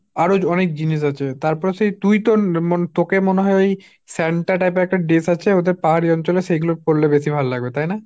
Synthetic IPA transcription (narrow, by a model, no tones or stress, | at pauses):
aɾod͡ʑɔnek̚d͡ʑiniʃ̬at͡ɕʰet̪aɾpɔɾeʃejt̪ujt̪onmot̪okemoneɦɔeoj | sɛɳʈaʈajp̬eɛk̚ʈaɖesat͡ɕʰeod̪eɾpaɦaɾiɔnt͡ɕoleʃejɡuloɾkoɾlːebeʃibʱalolaɡbet̪ajna